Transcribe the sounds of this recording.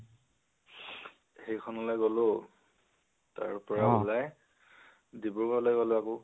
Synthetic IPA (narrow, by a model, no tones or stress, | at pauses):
xejkʰɔnɔlɔjɡolo | ta̰ɹpɔɹaulaj | dibʊɹkɔlɔjɡolʊakʊ